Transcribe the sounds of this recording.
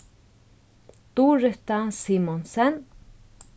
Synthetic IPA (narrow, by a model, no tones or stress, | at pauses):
t̪ureht̪asimonsɛn